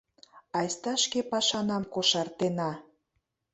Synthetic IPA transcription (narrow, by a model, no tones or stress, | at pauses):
ɑjst̪ɑʃkepɑʃɑnɑmkoʃɑrt̪enɑ